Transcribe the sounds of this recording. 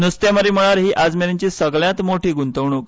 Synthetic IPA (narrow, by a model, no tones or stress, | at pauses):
nəst̪eməɾiːm̤əɭ̃aɾɦiːʔad͡zmeɾeɲt͡ɕiːsəɡljãt̪moʈʰiːɡunt̪əʋɳ̃uːk